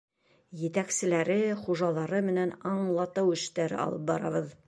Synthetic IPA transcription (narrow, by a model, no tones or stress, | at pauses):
jɘ̆t̪æksɘ̆læɾɘχuʒɑlˠɑɾɤmɘ̆nænɑɴlˠɑt̪ɤwɘ̆ʃt̪æɾɘ̰ɑ̰lˠɤp̚bɑɾɑ̰βɤð